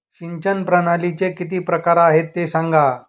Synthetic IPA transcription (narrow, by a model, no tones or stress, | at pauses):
ɕiɲt͡ɕənpɾənalit͡sekit̪iːpɾəkaɾaɦet̪ːesãŋɡa